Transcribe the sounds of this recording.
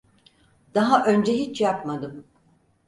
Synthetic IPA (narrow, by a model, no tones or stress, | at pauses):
d̪̥aɦaʔø̞nd͡ʒɛɦit͡ʃjapmad̪ɯm